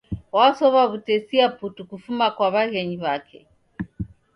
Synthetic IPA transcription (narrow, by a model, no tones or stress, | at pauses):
wasɔβaβutɛsiaputukufumakwaβaɣɛɲiβakʰɛ̰